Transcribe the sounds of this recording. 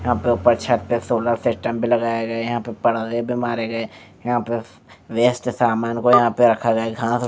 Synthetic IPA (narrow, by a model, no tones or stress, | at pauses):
jɐɦãpeʊpəɾt͡ʃʰəʈ̚pesoːlaɾsɪsʈə̃mbʱilɐɡaːjeɡɐejɐɦãpepɐɽdebʱimaːɾeɡɐeː | jɐɦãpe | ʋeːsʈsaːmaːnkojɐɦãpeɾɐkʰaɡɐeɡʱãːs